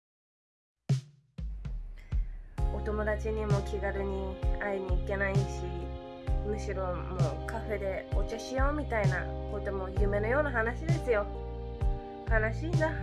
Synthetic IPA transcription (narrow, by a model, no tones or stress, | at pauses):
o̞t̪o̞mo̞d̪at͡ɕiɲ̟imo̞kʲiɡaɾɯ̟ɲ̟iaiɲ̟iːke̞naiɕi | mɯ̟ɕiɾo̞mo̞kaɸe̞d̪e̞ot͡ɕaɕijo̞ːmʲit̪aina̰ko̞t̪o̞mo̞jɯ̟ːme̞nojo̞ːnaɦanaɕid̪e̞sɨjo̞ | kanaɕiːna